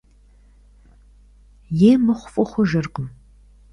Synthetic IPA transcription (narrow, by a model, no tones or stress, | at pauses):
jeːmɨχʷʊfʼɨχʷʊʒɐrqʼəm